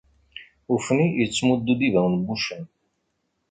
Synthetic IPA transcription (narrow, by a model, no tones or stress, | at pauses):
ufnijət͡sːmud̪ːud̪ivæwnbuʃən